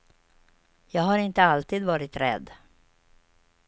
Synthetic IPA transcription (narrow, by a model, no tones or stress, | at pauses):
jɑːɡhaɾɪnt̪əalt̪iːd̪vɑːɾɪt̪ɾɛ̰d̪